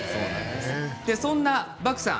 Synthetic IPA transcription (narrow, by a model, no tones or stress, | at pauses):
d̪̥esõnːabakɯ̟̥sã̰